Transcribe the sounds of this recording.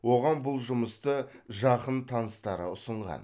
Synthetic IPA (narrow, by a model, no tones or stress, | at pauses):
wo̞ʁɑnbʊlˠʒʊməst̪əʒɑqənt̪ʰɑnəst̪ɑɾə̰ʊsəɴʁɑ̰n